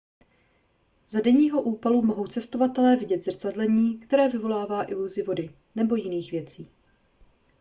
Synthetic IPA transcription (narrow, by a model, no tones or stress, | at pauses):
zadɛɲiːɦo̞ʔuːpalumo̞ɦo̞wt͡sɛst̪o̞vat̪ɛlɛːvɪɟɛt̪zr̩t͡sadlɛɲiːkt̪ɛɾɛːvɪvo̞laːvaːʔɪluzɪvo̞dɪ | nɛbo̞jɪniːxvjɛt͡siː